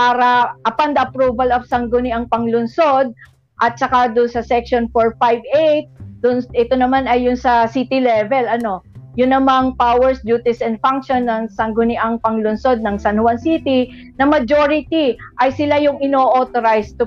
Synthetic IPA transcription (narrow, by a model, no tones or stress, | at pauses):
paːɾɐʔɐpand̪ɐʔɐpɾubɐlɐvsɐŋɡʊnɪʔɐŋpɐŋlʊnso̞d̪̚ | ʔɐt̪̚t͡ʃɐkad̪ʊnsɐsɛkʃonfoɹfajbejt̪̚d̪̥ʊnsʔɛt̪onɐmanɐjːʊnsɐsit̪ɪlɛvɛlɐno̞jʊnːɐmaŋpawɛɹsd͡ʒjuːt̪ɪsɛnd̪̚faŋkʃonːɐŋsɐŋɡʊnɪʔaŋpɐŋlʊnso̞d̪̚nɐŋsɐnhʊwansit̪i | nɐmɐd͡ʒo̞ɾɪt̪iʔɐjsɪlajʊŋɪnoːʔoːt̪oɾajst̪ʊ